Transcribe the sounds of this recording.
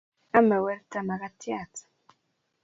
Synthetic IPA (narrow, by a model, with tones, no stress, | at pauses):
a˦ma˨wɛ˦ɾta˨ma˨ka˦tja˦˨t͡sḁ˨